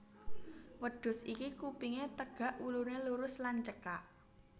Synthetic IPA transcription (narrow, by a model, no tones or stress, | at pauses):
wəɖ̥ʊ̤sikikupiŋet̪əɡ̥ä̤ʔuluneluɾʊslant͡ʃəkaʔ